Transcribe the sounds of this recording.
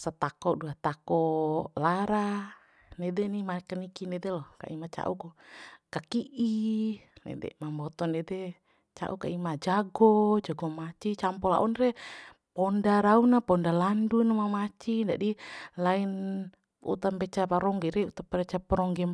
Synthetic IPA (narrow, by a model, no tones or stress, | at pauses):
sat̪akɔduat̪akɔlaɾa | nɛdɛnimakanikinɛdɛlɔka̰ʔimat͡ʃa̰ʔukɔkakiʔinɛ̰dɛ̰mambɔt̪ɔnɛdɛ | t͡ʃa̰ʔukaimad͡ʒaɡɔd͡ʒaɡɔmat͡ʃit͡ʃampɔla̰ʔɔnrɛ | pɔndaɾaunapɔndalandunmamat͡ʃid͡ʒa̰dilain | ṵt̪ampɛt͡ʃapaɾɔŋɡɛɾɛut̪apaɾɛt͡ʃapɔɾɔŋɡɛ